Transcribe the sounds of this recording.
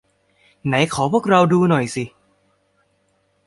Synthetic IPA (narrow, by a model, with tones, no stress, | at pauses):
na˩˦jkʰɔː˩˦pʰu˥˩ək̚ɾa˧wduː˧nɔ˨˩jsi˧˩